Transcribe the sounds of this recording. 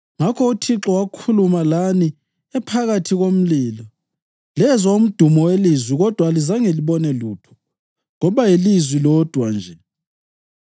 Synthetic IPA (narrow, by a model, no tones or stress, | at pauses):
ŋakʰɔutʰiǁɔwakʰulumalani | ɛpʰaɣatʰiɣom̩liːlɔ | lɛzwaum̩d̥ʱumɔwelizwiɣɔd̥ʱwalizaŋeliβɔnɛluːtʰɔ̥ | ŋɔβajilizwilɔd̥ʱwand͡ʒʱɛ